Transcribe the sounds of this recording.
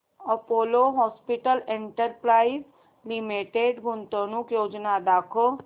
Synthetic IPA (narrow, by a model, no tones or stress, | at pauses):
əpoːloːɦɔːspiʈəlẽɳʈəɾpɾaːiz | limeʈeɖɡʊnt̪õnũːkjoːd͡ʒnad̪aːkʰo